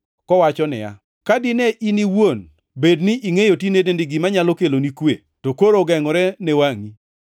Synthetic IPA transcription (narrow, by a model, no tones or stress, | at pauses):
kɔwat͡ʃɔnɪ̰ja̰ | kadɪnɛʔiniwon | bednɪʔiŋejotinedendɪɡɪmaɲalɔkelonikwḛ | tokoɾoɡɛŋɔɾɛnewaŋi